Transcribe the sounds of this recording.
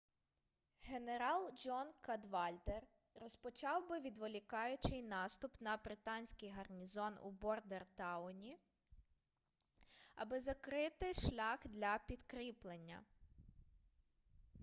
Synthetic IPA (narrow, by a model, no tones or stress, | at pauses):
ɦe̞neɾɑlˠd͡ʒɔnkɐd̪ʋɑlʲd̪erː | ɔspɔt͡ʃɑwbɪʋʲid̪ʋɔlʲikɑjʊt͡ʃɪjnɑst̪ʊpnɐbɾɪt̪ɑnʲsʲkɪjɦɐrnʲizɔnṵbɔrd̪ert̪ɑʊnʲi | ɐbɪzɐkɾɪt̪ɪʃlʲɑxd̪lʲɐpʲid̪kɾʲiplˠenʲːɐ̰